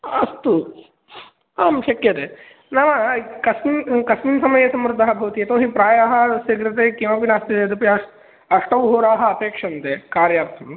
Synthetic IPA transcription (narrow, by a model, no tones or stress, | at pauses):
ɐst̪u | aːmʃɐkjɐt̪e | nɐʋɐkɐsmikɐsminsɐmɐjɐsɐmɾud̪ʱːɐɦɐbʱɐʋɐt̪ijet̪oːɦipɾaːjaːɦɐsɐɡɾɐt̪ekeːmɐpinaːst̪ied̪upiɐ | ɐʂʈɐʋɦoːɾaːɦɐ̆ɐpeːkʂɐnt̪eːkaːɾjaːpt̪ʰɐm